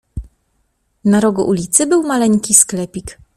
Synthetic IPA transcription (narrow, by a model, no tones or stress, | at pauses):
naɾɔɡṵʔulʲit̪sɘbɘwmalɛŋkʲisklɛpʲik